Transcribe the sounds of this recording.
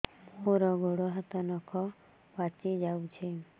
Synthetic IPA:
oɾɔɡʱoɽɔɦat̪ɔnɔkʰɔ | bat͡ʃid͡ʒawt͡ʃʰi

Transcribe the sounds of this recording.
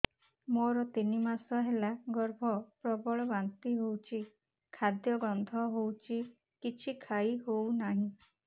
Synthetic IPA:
moɾɔt̪inimasɔɦelaɡɔɾbʱɔpɾɔbɔɭɔbant̪iɦowt͡ʃʰi | kʰad̪jɔɡɾɔnd̪ʱɔɦowt͡ʃʰi | kit͡ʃʰikʰaiɦownaɦĩ

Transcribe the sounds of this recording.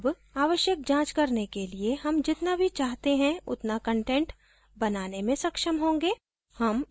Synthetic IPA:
b | aːʋəʃjək̚d͡ʒãːt͡ʃkɐɾnekelieɦɐmd͡ʒɪt̪nabʱit͡ʃaːɦt̪eɦɛ̃ʊ̰t̪nakə̃ɳʈẽɳʈ | bɐnaːnemẽsɐkʃəmɦõːŋɡeː | hɐm

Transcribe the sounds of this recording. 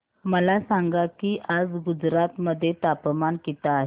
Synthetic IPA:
məlasaŋɡakiːʔad͡zɡud͡zɾat̪məd̪ʱːjet̪apmankit̪aːɦe

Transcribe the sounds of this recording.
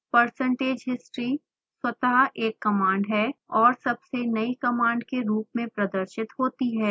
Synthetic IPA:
pɐɾsə̃ɳʈeːd͡ʒɦɪsʈɾi | swɐt̪aɦʔeːkːɐmãːɳɖɦɛːɔːɾsɐbsenɐikɐmãːɳɖkeɾuːpmẽpɾɐd̪əɾʃɪt̪ɦoːt̪iɦɛː

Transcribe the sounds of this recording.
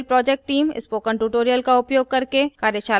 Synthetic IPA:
lpɾɔːd͡ʒeːk̚ʈʈːiːmɪ̰spoːkə̃ɳʈuːʈoːɾijəlkaʊpjoːɡ̚kɐɾkekaːɾjət͡ʃaː

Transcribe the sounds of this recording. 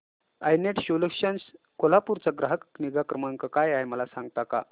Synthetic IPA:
ajneʈɕoləkʂəns | kolapuɾt͡saɡɾaɦəkniɡakɾəmaŋkəkajajməlasãŋɡ̚t̪aka̰

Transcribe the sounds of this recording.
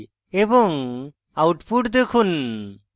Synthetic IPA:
ebɔŋ | awʈpʰuʈd̪ekʰun

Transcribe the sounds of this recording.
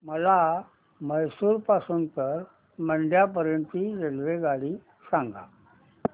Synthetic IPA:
məla | məjsuːɾpasuːnt̪əɾ | məɳɖjap̬əɾjəɳt̪iɾelʋeɡaɽiː | sãŋɡa̰

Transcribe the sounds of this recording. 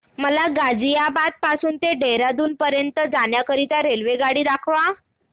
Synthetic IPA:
məlaɡad͡zijabad̪̚pasuːnt̪eɖeɾad̪uːnpəɾjənt̪əd͡zanjakəɾit̪jaɾelʋeɡaɽiːd̪akʰʋa

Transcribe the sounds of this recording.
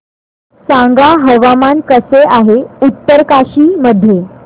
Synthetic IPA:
sãŋɡaɦəʋamankəseʔaɦeut̪ːəɾkaɕiːməd̪ʱːje

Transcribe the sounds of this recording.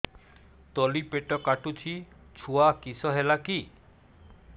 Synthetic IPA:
t̪ɔlipeʈɔkaʈut͡ɕʰi | t͡ɕʰuakisɔɦelaki

